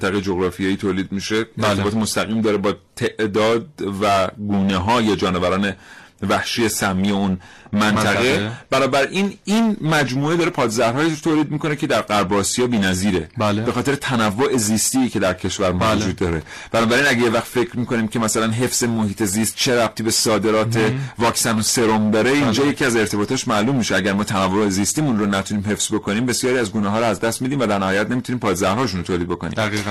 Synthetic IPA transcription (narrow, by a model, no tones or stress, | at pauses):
t̪ʰæɣejed͡ʒoɣɾɒːfijeiːt̪ʰoːliːd̪̚miʃe̞et̪ʰebːt̪emost̪æɣiːmd̪ɒːɾebɒːt̪ʰe̞ʔd̪ɒːd̪̚væɡuːneɦɒːje̞d͡ʒɒːnevæɾɒːne̞væhʃije̞sæmːiːeunmænt̪ʰæɣe̞b̥ænɒːbæɾʔininmæd͡ʒmuːed̪ɒːɾepʰɒːt̪zæɾɾhɒːjit̪ʰoːliːd̪̚miːkonecʰe̞d̪æɾɢæɾbɒːsijɒːbiːnæziːɾe̞lbexɒːt̪ʰeɾet̪ʰænævːoʔe̞ziːst̪iːcʰe̞d̪æɾcʰe̞ʃvæɾmvod͡ʒuːd̪ːɒːɾe | b̥ænɒːbæɾiːnæɟejevæxt̪fe̞cʰɾmiːko̞niːmcʰe̞mæsælænɦe̞fz̥emohiːt̪ʰe̞zist̪̚t͡ʃʰe̞ɾæb̥̚t̪ʰiːbe̞sɒːd̪e̞ɾɒːt̪ʰe̞vɒːksænose̞ɾomd̪ɒːɾe̞ind͡ʒɒːje̞cʰiæze̞ɾt̪ʰe̞bɒːt̪ɒːʃmælumːiʃeæɟæɾmɒːt̪ʰænævːoeziːst̪iːmunɾonæt̪ʰuniːmɦe̞fsz̥bo̞kʰo̞niːmbe̞sjɒːɾiæzɡuneɦɒːɾoæzd̪æst̪mid̪iːmvæd̪æɾnæhɒːjæt̪nemit̪uniːmpʰɒːd̪zæhɾhɒːʃ̬unot̪ʰolid̪̚bo̞ko̞nḭæɣi